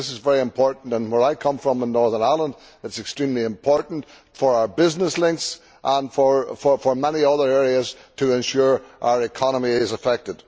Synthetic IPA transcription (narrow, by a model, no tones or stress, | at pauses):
ɪsɨzvɛɹiɨ̃mpʰɔɹʔn̩tə̃nwə˞aɪkʰʌ̃ɱfɹə̃mə̃nːɔɹðənaɪlˠə̃nd | ɨtsɛkstɹ̥ĩmlˠiɨ̃mpʰɔɹʔn̩t | fə˞aʊə˞bɪznəslˠɪ̃ŋks | ʔə̃nfə˞fə˞fə˞mɛniʌðə˞ɛɹiəz̥tʰəɛ̃nʃuɹʔa̰ʊə˞ɨkʰɑnəmiɪzəfɛk̚tɪd̥